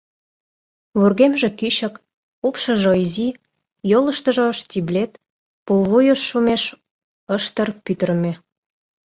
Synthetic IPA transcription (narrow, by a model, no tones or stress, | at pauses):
βurɣemʒĕkyɕə̆k | upʃɤ̆ʒoizi | jolə̆ʃt̪ə̆ʒɤʃtʲiblʲet̪ | pulˠβujəʃːumeʃ | əʃt̪ərpyt̪ərmʲĕ